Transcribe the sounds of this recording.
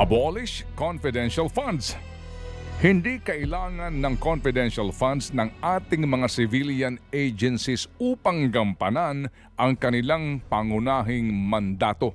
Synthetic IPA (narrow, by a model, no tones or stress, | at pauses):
ʔɐbolɪʃkonfɪd̪ɛnʃɐlfand̪s | hɪnd̪ikɐʔɪlaːŋɐnːɐŋkonfɪd̪ɛnʃɐlfand̪snɐŋʔaːt̪ɪŋmɐŋasɪviljɐnejd͡ʒɛnsisuːpɐŋɡɐmpɐnan | ʔɐŋkɐnɪlaŋpaŋʊnaːɦɪŋmɐnd̪aːt̪o̞